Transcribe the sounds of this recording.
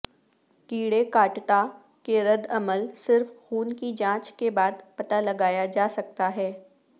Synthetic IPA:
kiːɽekaːʈt̪a | keɾɐd̪ɐməlsɪɾfxuːnkid͡ʒãːt͡ʃkebaːd̪pɐt̪alɐɡaːjad͡ʒaːsɐk̚t̪aɦɛː

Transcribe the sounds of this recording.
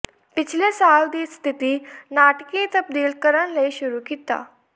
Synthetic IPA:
pit͡ɕʰlesawd̪ist̪ʰit̪iːnaʈkit̪əp̚d̪iːlkəɾənleɕuɾuːkit̪a̰

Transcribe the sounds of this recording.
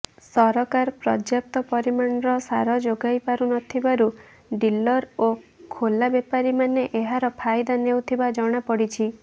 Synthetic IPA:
sɔɾɔkaɾpɾɔd͡ʒjap̚t̪ɔpɔɾimaɳɾɔsaɾɔd͡ʒoɡajpaɾunɔt̪ʰibaɾu | ɖilɔɾokʰolabepaɾimaneʔeɦaɾɔpʰajd̪anewt̪ʰibad͡ʒɔɽ̃apɔɽit͡ʃʰi

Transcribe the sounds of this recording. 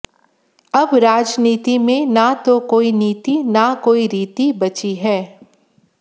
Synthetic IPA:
ɐbɾaːd͡ʒniːt̪imẽnat̪okoːiniːt̪inakoːiɾiːt̪ibɐt͡ʃiɦɛː

